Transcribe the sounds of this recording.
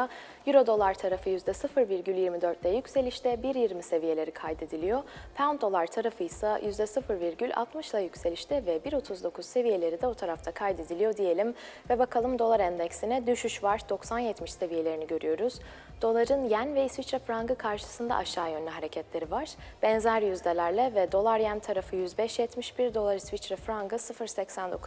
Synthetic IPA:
jyɾo̞d̪o̞lˠaɾt̪ʰaɾafɯjyzd̪ɛsɯfɯɾviɾɟylʲjiɾmid̪ø̞ɾt̪lʲɛjycʲse̞lʲiʃt̪ʰɛbiɾjiɾmise̞vije̞lʲe̞ɾikʰajd̪e̞d̪ilʲijo̞pʰand̪o̞lˠaɾt̪ʰaɾafɯjsajyzd̪ɛsɯfɯɾviɾɟylʲʔa̰t̪mɯʃlˠajycselʲiʃt̪ʰɛvɛbiɾo̞t̪ʰuzd̪o̞kʰuz̥se̞vije̞lʲe̞ɾid̪ɛo̞t̪ʰaɾaft̪ʰakʰajd̪e̞d̪ilʲijo̞d̪ije̞lʲim | vɛbakʰalˠɯmd̪o̞lˠaɾɛnd̪ɛcsinɛd̪yʃyʃvaɾd̪oksanjɛt̪miʃse̞vije̞lʲe̞ɾiniɟø̞ɾyjo̞ɾuz̥ | d̪̥o̞lˠaɾɯnjænvɛisvit͡ʃɾafɾaŋɡɯkʰaɾʃɯ̥sɯnd̪a̰ʔaʃaːjø̞nlʲɛɦaɾecʰɛt̪lʲe̞ɾivaɾ̥b̥ɛnzæɾjyzd̪ʲelʲæɾlʲɛvɛd̪o̞lˠaɾjænt̪ʰaɾafɯjyzbɛʃjɛt̪miʃbiɾd̪o̞lˠaɾisvit͡ʃɾafɾaŋɡɯsɯfɯɾsɛcsænd̪okʰu

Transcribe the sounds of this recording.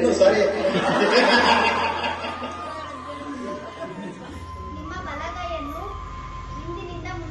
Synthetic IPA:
nusaɾi | nimamalakajenu | ind̪inindamu

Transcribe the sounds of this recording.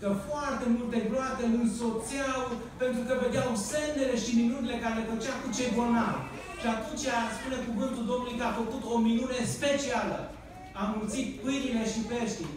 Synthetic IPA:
kəfoart̪e̞mult̪e̞ɡɾoat̪e̞ɨnsot̪siaw | pe̞nt̪ɾukəve̞d̪eawse̞nd̪ele̞ʃiminunele̞kaɾelefət͡ʃakut͡ʃejbonalʲ | ʃiat̪unt͡ʃeaspune̞kuvɨnt̪uld̪o̞mnulujkəafəkut̪o̞minune̞spe̞t͡ʃialə̰ | amult̪sit̪̚pɨjɾile̞ʃipe̞ʃt̪i

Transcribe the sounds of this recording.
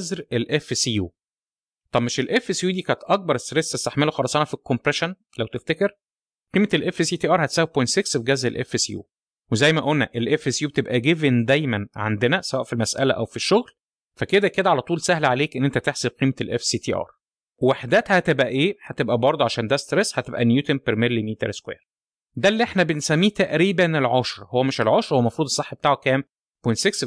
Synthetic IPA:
zɾelʔefsijuː | t̪ˤɑbmeʃelʔefesjuːd̪iːkænt̪ʔɑk̚bɑɾˤest̪ɾesest̪aħmeloxɑlɑsˤɑnɑfikːompɾeʃæn | læwt̪eft̪ekeɾ | qiːmetelʔefsiːt̪iːʔɑːɾˤhæt̪sæːweb̚pojnt̪seksiɡæzɾelʔḛfesjṵː | wezæjːmæʔolnːæʔelʔefːesjuːb̚et̪ebʔæɡevend̪æjmænʕa̰nd̪enæsæwæːʔfilmæsʔælæʔæwfiʃːoɣl | fæked̪æked̪æʕalæt̪ˤuːlsæhlʕaleːkʔenːʔent̪æt̪eħseb̚qiːmelʔefsiːt̪iːʔɑ̰ːɾˤ | wweħd̪æːt̪hæt̪ebʔæʔeːhæt̪ebʔæbɑɾˤd̪ˤoʕaʃæːnd̪æst̪ɾeshæt̪ebʔænjuːt̪empeɾmelːimiːt̪eɾeskwḛjɾ | d̪ælːiːʔeħnæbensæmːiːt̪æʔɾiːbænelʕoʃɾˤhowːæmeʃelʕoʃɾˤowːæmɑfɾuːd̪esˤːeħːbet̪aːʕokæːm | pojnt̪seks

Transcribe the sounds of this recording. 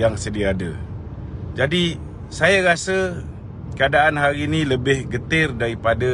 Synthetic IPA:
jaŋsədiaːdə | d͡ʒadi | sajaɾasə | kəadaʔanɦaɾiniləbɪhɡət̪ɪrdaɾipada

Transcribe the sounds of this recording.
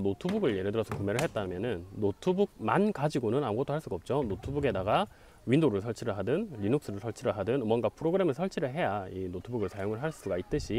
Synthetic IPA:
notʰubuɡɯɭje̞ɾɯdɯɾʌsʰʌkume̞ɾɯɭɦe̞t͈̚amjʌnɯnːotʰubuɡ̚ma̰nkad͡ʑiɡonɯnamuɡʌt͈oɦaɭs͈uɡaʌp̚t͡ɕ͈onotʰubuɡe̞daɡa | ɥindoɾɯɭsʰʌɭt͡ɕʰiɾɯɭɦadɯnːinuk̚s͈ɯɾɯɭsʰʌɭt͡ɕʰiɾɯɭɦadɯnmwʌnɡapʰɯɾoɡɯɾe̞mesʰʌɭt͡ɕʰiɾɯɭɦe̞jainotʰubuɡɯɭsʰajoŋɯɭɦaɭs͈uɡait͈̚ɯɕʰi

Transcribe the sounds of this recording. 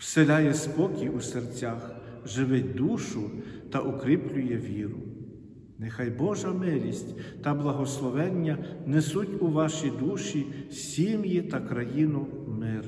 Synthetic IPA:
wselʲajɛspɔkʲiusert͡sʲax | ʒɪʋɪt̚ʲd̪uʃʊt̪ɐʔʊkɾʲiplʲʊjɛʋʲiɾʊ | nɪxɑjbɔʒɐmɪlʲisʲtʲt̪ɐblˠɐɦɔslˠɔʋɛnʲːɐnɛsutʲuʋɑʃid̪uʃisʲimjit̪ɐkɾɐjinʊ | mɪr

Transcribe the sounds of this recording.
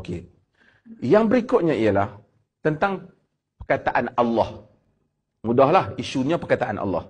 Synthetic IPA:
ke | jaŋbəɾikʊʔ̪̚ɲaiəlah | t̪ənt̪aŋ | pərkat̪aʔanalːɑh | mudahlahiʃuɲapərkat̪aʔa̰nʔa̰lːɑ̰h

